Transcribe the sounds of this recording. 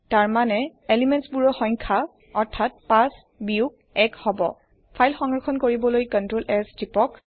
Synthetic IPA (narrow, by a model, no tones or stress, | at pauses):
taɹmanɛelimɛntsbuɹɔxɔjŋkʰa | ɔɹtʰat̚pas | biuk̚ | ɛkhɔbɔ̰ | pʰajlxɔŋɹɔxʰɔnkoɹibɔlojkɔntɹolʔɛsdipɔk